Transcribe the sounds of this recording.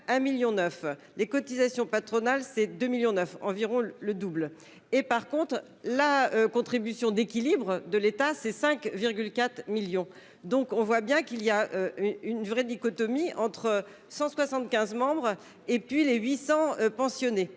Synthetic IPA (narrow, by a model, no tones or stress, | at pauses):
ɛ̃miljɔ̃nœf | lekɔt̪izasjɔ̃pat̪χɔnalsɛd̪ømiljɔ̃nœfɑ̰̃viʁɔ̃ləd̪ubl | epaʁkɔ̃t̪χ | laøkɔ̃t̪χibysjɔ̃d̪ekʲilibʁd̪əlet̪asɛsɛ̃kviʁɡʲylkat̪χmiljɔ̃ | d̪ɔ̃kɔ̃vwabjɛ̃kiliaøynvʁɛd̪ikɔt̪ɔmiɑ̃t̪χə | sɑ̃swasɑ̃t̪kʲɛ̃zmɑ̃bʁ | epɥileɥisɑ̃øpɑ̃sjɔne